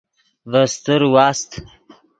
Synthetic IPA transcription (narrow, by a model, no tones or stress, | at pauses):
vəst̪əɾwɑːst̪